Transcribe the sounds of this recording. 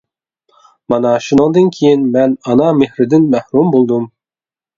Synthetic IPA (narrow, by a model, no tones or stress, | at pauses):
mɑnɑʃunɨŋd̪ɨnkʲʰejɪnmɛnɑnɑmehɾɪd̪ɪnmæhɾumbolˠd̪um